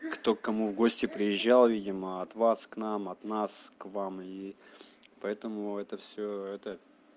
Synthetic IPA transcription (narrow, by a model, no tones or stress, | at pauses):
kt̪okːɐmuvɡosʲtʲɪpɾʲɪjɪʑːalˠvʲidʲɪməɐt̪vasknamɐt̪naskvami | pɐɛt̪əmʊɛt̪əfsʲoɛt̪ə